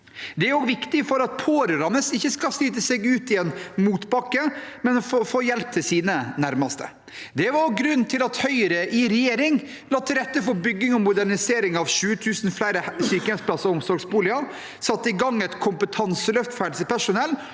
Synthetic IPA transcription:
d̪ɛæɾoɡʋɪkt̪ɪfɔɾɑt̪̚pʰoːɾəɾɑnəsɪçːəskɑsliːt̪əsɛɡʉːt̪ɪɛnmuːt̪bɑkːəmɛnɔffoːjɛlp̚t̪ʰɪlsiːnənæɾmɑst̪ə̰ | d̪ɛʋɑɾɡɾʉnːt̪ʰɪlɑt̪hœʏəɾəʔɪɾɛjeːɾɪŋ | lɑːt̪ʰːɪɾɛt̪ːəfɔɾbʏɡːɪŋɔmʊd̪æɾnɪseːɾɪŋɑʋʃʉːət̪ʰʉːsn̩flæɪɾəsyːkəɛsplɑsɔɔmsɔɾɡsbuːlɪɑ | sɑt̪ːəɪɡɑŋːɛt̪kʰʊmpət̪ʰɑnsəlœft̪fæɖsəpʰæʂʊnɛlː

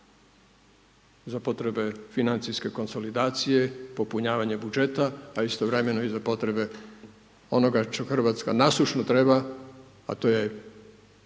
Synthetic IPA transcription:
zapo̞t̪ɾe̞be̞finant̪siske̞ko̞nso̞lid̪aːt̪sije̞po̞puɲaːʋaɲe̞bud͡ʒe̞t̪aːist̪o̞ʋɾe̞me̞noizapo̞t̪ɾe̞be̞ | o̞no̞ɡat͡ʃexr̩ʋat̪ska̰naslˠuʃnot̪ɾe̞ba | a̰t̪oːje̞

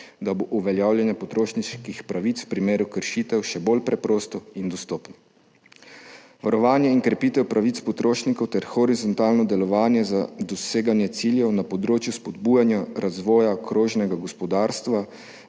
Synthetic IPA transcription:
d̪aboʔuʋɛljaːwljɛnjapɔt̪ɾoːʃniʃkixpɾaʋit̪swpɾimeːɾukəɾʃit̪ɛwʃɛbolpɾɛpɾoːst̪ɔind̪ɔst̪ɔːpnɔ | ʋaɾɔʋaːnjɛiŋkɾɛpiːt̪ɛwpɾʔaʋit̪spɔt̪ɾoːʃnikɔwt̪ɛɾxɔɾizɔnt̪aːlnɔd̪ɛlɔʋaːnjɛzad̪ɔseːɡanjɛt̪siljɛwnapɔd̪ɾoːt͡ʃjuspɔd̪buːjanjaɾazʋɔːjakɾoːʒnɛɡaɡɔspɔd̪aːɾst̪ʋa

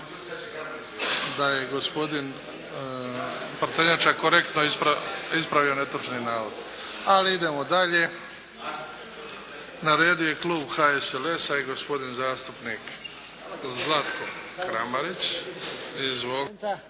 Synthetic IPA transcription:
d̪aje̞ɡospo̞d̪in | pɾat̪eɲat͡ʃakoɾe̞kt̪noipaispɾaʋio̞net̪ɾut͡ʃninaːɾod̪ | aliid̪e̞mo̞d̪aʎe̞ | naɾeːd̪ijojeklˠuːbxaesele̞saiɡo̞spo̞d̪inzaːst̪upniːk | zlˠat̪kokɾamaɾit͡ɕ | izʋo

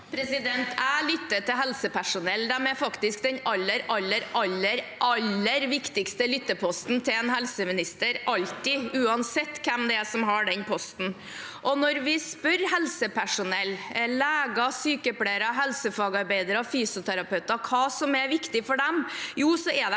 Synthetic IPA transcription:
pʰɾɛsɪd̪ɛnt̪ælʏt̪ːəʈ̪ɪɦɛlsəpʰæʂʊnɛlːd̪ɛmɛfɑkt̪ɪskd̪ɛɲɑlːəɾʔɑlːəɾʔɑlːəɾʔɑlːəɾʋɪkt̪ɪkst̪əlʏt̪ːəpʰɔst̪nt̪ʰɪɛnhɛlsəmɪnɪst̪əɾʔɑlt̪ɪʉːɑnsɛt̪ːkʰɛmd̪ɛɛsɔmɦɑɖɛnpʰɔst̪n̩ | ʔɔnɔɾʋɪspœɾɦɛlsəpʰæʂʊnɛlːlæːɡɑsyːkəpɽeɪəɾɑɦɛlsəfɑːɡɑɾbæɪd̪əɾɔfyːsʊt̪ʰæɾɑpœʉt̪ɑkʰɑːsɔmɛʋɪkt̪ɪfɔɖɛmjuːsɔɛd̪ɛ

